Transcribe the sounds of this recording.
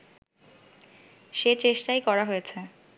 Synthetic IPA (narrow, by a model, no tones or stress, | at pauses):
ʃet͡ɕeʃʈajkɔɾaɦojet͡ɕʰe